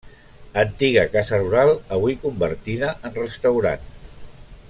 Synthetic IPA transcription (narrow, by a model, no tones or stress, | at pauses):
ənt̪iɣəkazəruɾalˠəβuikumbəɾt̪iðəʔənrəst̪əwɾa̰n